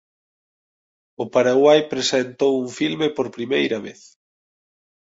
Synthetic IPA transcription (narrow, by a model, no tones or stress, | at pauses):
ʊpaɾaɣwajpɾesent̪owuŋfilmepoɾpɾimejɾɐβḛθ